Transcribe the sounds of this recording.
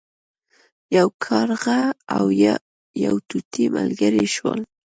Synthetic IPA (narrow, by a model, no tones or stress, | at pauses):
jawkʰɑɾɣaawj | ja̰wt̪ut̪ʰimalɡaɾiʃwəl